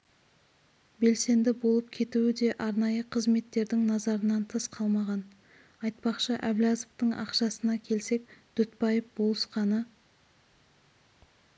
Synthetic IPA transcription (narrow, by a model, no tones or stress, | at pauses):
be̞lse̞nd̪ɪbo̞lˠəp̚kʲʰe̞t̪uwɪd̪e̞ʔɑɾnɑjəqʰəzme̞t̪ːe̞ɾd̪ɪŋnɑzɑɾənɑnt̪ʰəsqʰɑlˠmɑʁɑn | ɑjt̪̚pɑqʃəʔæblʲɑzəft̪əɴɑ̰qʃɑsənɑkʲʰe̞lse̞k̚d̪̥ʏt̪bɑjəfbo̞lˠəsqɑnə